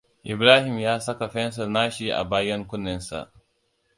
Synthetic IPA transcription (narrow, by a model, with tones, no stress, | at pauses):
ʔɪ˨bɾaː˦hɪ˨mjaː˦sɐ˦ka˨ɸɛ˦ns̬ɐ˨naː˦ʃi˦ʔa̰˨baː˦jɐ˦ŋkʷʊ˦nːɪ˦nsa̰˨ʔ